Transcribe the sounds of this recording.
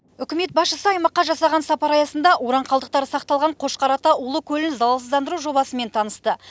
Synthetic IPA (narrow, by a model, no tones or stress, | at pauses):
ʏkʲɪme̞t̪̚bɑsʃəsəɑjmɑqːɑʒɑsɑʁɑnsɑpɑɾɑjɑsənd̪ɑʔoɾɑɴqʰɑlˠd̪əq̚t̪ɑɾəsɑq̚t̪ɑlˠʁɑɴqʰo̞ʃqɑɾɑt̪ɑʔʊlˠəkʲʰɵlɪnzɑlˠəsəzd̪ɑnd̪əɾuʒo̞bɑsəme̞nt̪ʰɑnəst̪ə